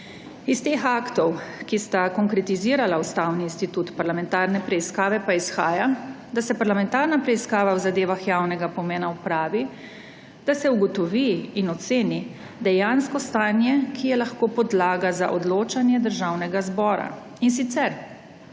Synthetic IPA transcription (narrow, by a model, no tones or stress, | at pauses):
ist̪exaːkt̪ɔwkist̪akɔŋkɾɛt̪iziːɾalaust̪awniːnst̪it̪ut̪paɾlamɛnt̪aɾnɛpɾɛiskaːʋɛpaisxaːja | d̪asɛpaɾlamɛnt̪aɾnapɾɛiskaːʋawzad̪eːʋaxjaːwnɛɡapɔmɛːnaupɾaːʋi | d̪asɛuɡɔt̪ɔʋiːnɔt̪seːni | d̪ɛjanskɔst̪aːnjɛkʰijɛlaxkoːpɔd̪laːɡaza̰ʔɔd̪loːt͡ʃanjɛd̪əɾʒawnɛɡazbɔːɾa̰ | ins̬it̪sɛɾ